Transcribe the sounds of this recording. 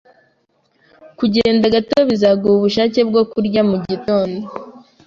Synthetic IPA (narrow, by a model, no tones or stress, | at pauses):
kuɟeːndaɡato̞βizaɡuβuʃaːce̞bɡo̞kuɾɟamuɟito̞ːndo